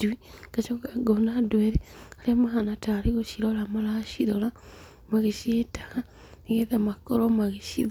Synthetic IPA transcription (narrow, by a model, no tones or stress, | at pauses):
uiɡ̥at͡ʃɔaɡɔnadwɛɾɛaɾeamaɦanataɾiɣoʃiɾɔlamalaʃiɾɔla | maɣeʃietaɣa | iɣeðamakɔɾɔmaɣeʃḭð